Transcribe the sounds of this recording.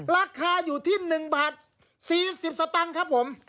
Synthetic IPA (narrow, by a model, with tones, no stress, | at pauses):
ɾaː˧kʰaː˧juː˨˩t̪ʰiː˥˩nɯ˨˩ŋbaː˨˩t̪̚ | siː˨˩si˨˩p̚sa˧t̪a˧ŋkʰa˦˥pʰːo˩˦m